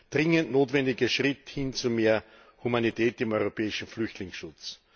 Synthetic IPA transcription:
d̥ʁɪŋəntnoːtvɛndɪɡəʃʁ̥ɪthɪnt͡sumeːɐ | humanitʰɛːtɪmɔʏʁopʰɛːɪʃn̩flʏçtlɪŋsʃʊt͡s

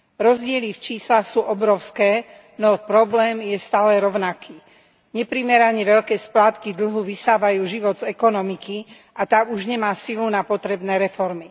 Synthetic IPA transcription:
ɾɔzɟɪɛlift͡ʃiːslaxsuːʔɔbɾɔʊskɛː | nɔpɾɔblɛːmjɛst̪aːlɛɾɔʊnakʰiː | ɲɛpɾimɛɾaɲɛʋɛʎkɛːsplaːt̪kid̪l̩ɦuʋisaːʋajuːʒiʋɔd̪zɛkɔnɔmiki | ʔat̪auʒɲɛmaːsilunapɔt̪ɾɛbnɛːɾɛfɔɾmi

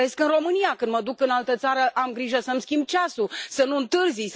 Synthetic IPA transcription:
e̞skɨnro̞mɨnijakɨnd̪məd̪ukɨnalt̪ət̪saɾəʔamɡɾiʒəsəmskʲimb̚t͡ʃasusənuɨnt̪ɨrzis

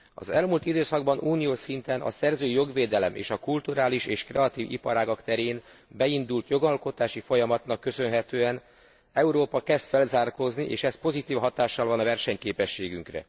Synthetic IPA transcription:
ɒ̰zɛlmuːlt̪id̪øːsɒɡ̚bɒnʔuːnijoːʃsint̪ɛnʔɒ̰sɛrzøːijo̞ɡʋeːd̪ɛlɛmʔḛːʃɒkult̪uɾaːliʃeːʃkrɛɒt̪iːvḭpɒɾaːɡɒkt̪ɛɾeːn | bɛind̪ult̪jo̞ɡɒlko̞t̪aːʃifo̞jɒmɒt̪nɒkːø̞sø̞nɦɛt̪øːɛn | ɛuɾoːpɒkɛst̪fɛlzaːrko̞zniʔeːʃɛspo̞zit̪iːfɦɒt̪aːʃːɒlvɒnɒvɛrʃɛɲkeːpɛʃːeːɡyŋkrɛ̰

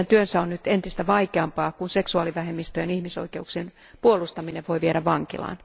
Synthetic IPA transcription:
ænt̪yønsæonnyt̪ent̪ist̪æʋɑikeɑmpɑːkunseksuɑːliʋæhemːist̪øjenihmiso̰ikeuksien | puolust̪ɑmineʋʋo̞iʋieɾæʋʋɑŋkḭlɑ̰ːn

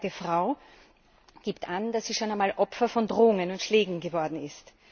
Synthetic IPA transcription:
təfʁaʊ | ɡ̥iːptʔand̥asz̥iːʃoːnænmaːlʔɔpfɐfɔndʁoːʊŋənʊntʃleːɡŋ̩ɡəvɔɐdn̩ɪst

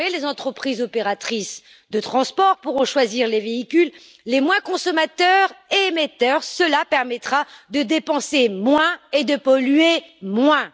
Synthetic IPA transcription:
elezɑ̃t̪χəpχizɔpeʁat̪χis | d̪ət̪χɑ̃spɔʁpuʁɔ̃ʃwaziʁleveikʲylː | emwɛ̃kɔ̃sɔmat̪œʁemet̪œʁsəlapɛʁmɛt̪χad̪əd̪epɑ̃semwɛ̃ed̪əpɔlɥemwɛ̃

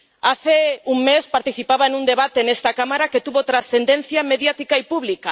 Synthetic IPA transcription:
aθeuŋmespaɾt̪iθipaβaenũnd̪eβat̪enest̪akamaɾaket̪uβot̪ɾasθẽnd̪ẽn̟θjameðjat̪ikaipuβlika

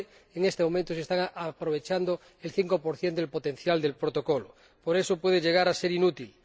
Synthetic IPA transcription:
eŋest̪emo̞mẽnt̪osest̪aŋapɾoβe̞t͡ʃand̪o | elθiŋko̞poɾθjend̪elpot̪en̟θjald̪e̞lpɾot̪o̞kolo | poɾe̞sopweð̞eʝeɣ̞aɾase̞ɾinut̪il

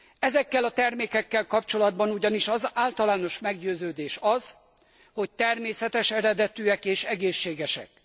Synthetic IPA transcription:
ɛzɛkːɛlɒt̪ɛrmeːkɛkːɛlkɒpt͡ʃo̞lɒd̪̚bɒnuɟɒniʃɒzaːlt̪ɒlaːno̞ʃmɛɡɟøːzøːd̪eːʃɒz | ho̞c̚t̪ɛrmeːsɛt̪ɛʃɛɾɛd̪ɛt̪yːɛkeːʃɛɡeːʃːeːɡɛʃɛ̰k

